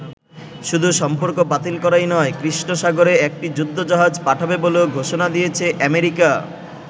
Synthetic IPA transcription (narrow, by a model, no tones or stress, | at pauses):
ʃud̪ʱuʃɔmpoɾkobat̪ilkɔɾajnɔekɾiʃnoʃaɡoɾeek̚ʈid͡ʑud̪ʱːod͡ʑɔɦad͡ʑpaʈʰabeboleoɡʱoʃonad̪ijet͡ɕʰeʔɛmeɾika